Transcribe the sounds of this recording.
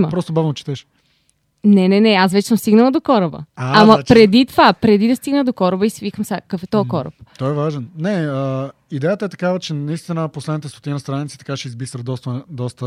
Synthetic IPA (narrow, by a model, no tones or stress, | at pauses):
məpɾɔst̪obavnot͡ʃɛ̥t̪ɛʃ | nɛnɛnɛasvɛt͡ʃɛ̥səmst̪iɡnəlˠəd̪okɔɾəbə̰aamɐpɾɛd̪it̪ovapɾɛd̪id̪ɐst̪iɡnəd̪okɔɾəbəisivikəmsakəkfɛt̪ɔɛkɔɾə̰p̚t̪ɔɛvaʒɛnnɛə | id̪ɛjət̪əɛt̪ɐ̥kavət͡ʃɛnɐist̪inəposlɛd̪it̪ɛst̪ot̪inɐst̪ɾanit̪si̥t̪ɐ̥kaʃɛizbisɾəd̪ɔst̪əd̪ɔst̪ə